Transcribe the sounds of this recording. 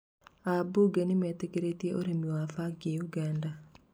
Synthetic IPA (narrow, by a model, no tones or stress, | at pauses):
abuɡenɪmɛt̪ekeɾet̪jeʔoɾemjoafaɡɪjuɡanda